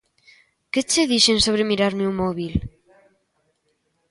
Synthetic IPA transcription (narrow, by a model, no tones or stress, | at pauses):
ket͡ʃeðiʃeŋsoβ̞ɾemiɾaɾmeumɔβil